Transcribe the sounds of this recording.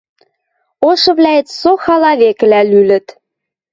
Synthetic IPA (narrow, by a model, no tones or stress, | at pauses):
oʃɤ̆βlʲæet͡ssoxɑlɑβek̆lælylə̆t̪